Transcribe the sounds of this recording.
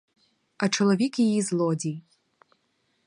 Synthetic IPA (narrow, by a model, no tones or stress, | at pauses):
ɐt͡ʃɔlˠɔʋʲikjɪjizlˠɔdʲij